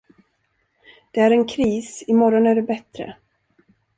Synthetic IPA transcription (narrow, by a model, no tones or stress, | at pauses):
d̪̥ɛæɾɛnkʰɾiːsɪmɔɾɔnæɖɛbɛt̪ɾə̰